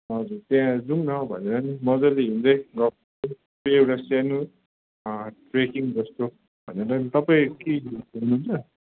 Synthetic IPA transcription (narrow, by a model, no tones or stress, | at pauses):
ʌd͡zut̪jãd͡zuŋnʌbʱʌ̰neɾʌnimʌd͡zʌleɦind͡zʌjɡʌp̚ | ʌ | pewɽasanu | ʈrekiŋd͡zʌst̪o | bʱʌ̰neɾʌnit̪ʌpaĩkeununt͡sʰʌ